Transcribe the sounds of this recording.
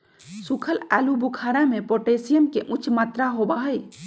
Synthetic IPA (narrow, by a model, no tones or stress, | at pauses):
sukʰəlɛlubukʰaɾamepoʈesijəmkeʔut͡ʃʰmat̪ɾaɦobaɦəj